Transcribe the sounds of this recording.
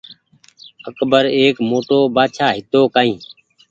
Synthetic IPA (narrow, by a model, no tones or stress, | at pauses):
əkbəɾeːkmoːʈoːbaːt͡ʃʰaːɦɪt̪oːkaːĩː